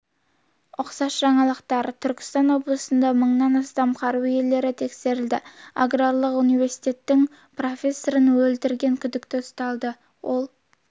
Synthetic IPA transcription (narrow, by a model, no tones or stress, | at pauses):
ʊqsɑsʒɑɴɑlˠəqt̪ɑɾt̪ʰʏɾkʲɪ̥st̪ɑnwo̞blˠəsənd̪ɑməɴnɑnɑst̪ɑmqʰɑɾwije̞lːe̞ɾɪt̪ʰe̞kse̞ɾɪld̪ɪa̰ɡrarlˠəqunijve̞ɾsi̥t̪e̞t̪ːɪŋ | pro̞fʲe̞sːoɾənwɵlt̪ɪɾɡʲe̞ŋkʲʰʏd̪ɪkt̪ɪʊst̪ɑlˠd̪ə | wʔo̞lˠ